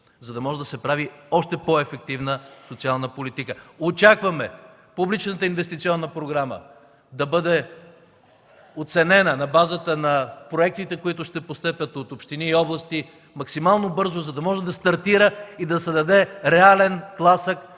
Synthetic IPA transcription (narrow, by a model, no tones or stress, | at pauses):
zɐd̪ɐmɔʒɛd̪ɐsɛpɾaviɔʃt̪ɛpɔɛfɛk̚t̪ivnəsot̪sialˠnəpolit̪ikəot͡ʃakvɐmɛ | publit͡ʃnət̪əinvɛst̪it̪siɔnːəpɾoɡɾamə̰ | d̪ɐbɤd̪ɛ | ot̪sɛnɛnənɐbazət̪ənɐpɾoɛk̚t̪it̪ɛkoit̪ʊʃt̪ɛpost̪ɛpʲɐt̪ot̪opʃt̪iniːɔblˠɐst̪i | mɐksimalˠnobɤɾzozɐd̪ɐmɔʒɛd̪ɐst̪ɐɾt̪iɾəid̪ɐsɛd̪ɐd̪ɛɾɛalɛnklˠasək